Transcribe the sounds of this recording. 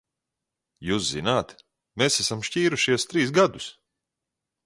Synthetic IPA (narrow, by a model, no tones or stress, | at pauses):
juːszinaːt̪ | mesæsamʃciːɾuʃiɛst̪ɾiːsɡad̪us